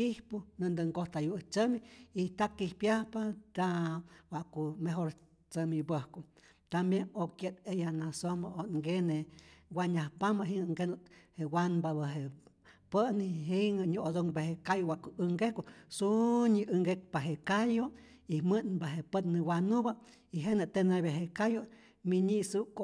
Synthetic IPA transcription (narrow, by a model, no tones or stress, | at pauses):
kihpunɨnd̪ɨŋɡoht̪ajut͡səmiit̪akihpjahpat̪awaʔkumeɦoɾ | t͡səmibəhku | t̪ambjenokjet̪ejanasombaoŋɡeneɡʷaɲahpamaɦiŋŋɡenut̪hewanbaβəɦe | pəʔniɦiŋəɲuod̪oŋbehekajowaʔkuɨŋɡehkosuɲiʔɨŋɡek̚paɦekajo | imɨnbaɦepət̪nɨwanuba | iɦenɨt̪eneβeɦekajo | miɲisuko